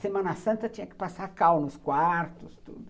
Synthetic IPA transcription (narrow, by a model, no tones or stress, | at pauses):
semɐ̃nɐsɐ̃nt̪ɐt͡ʃĩɲɐkɪ̥pasakawnʊskwaɾt̪ʊst̪ṵd̪ʊ